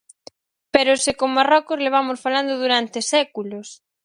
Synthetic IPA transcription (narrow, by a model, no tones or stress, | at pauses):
peɾʊsɪkoŋmarɔkʊzleβ̞amosfaland̪ʊðuɾant̪ɪsɛkulʊs